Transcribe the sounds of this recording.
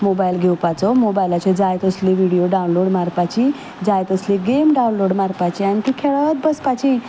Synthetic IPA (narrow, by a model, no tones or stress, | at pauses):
mobajlɡʱewpat͡sɔmobajlat͡ɕẽd͡zajt̪əsliʋiɽijoɖaunloɽmaɾpat͡ɕi | d͡zajt̪əsliɡemɖaunloɽmaɾpat͡ɕiant̪ikʰeɭət̪̚bəspat͡ɕi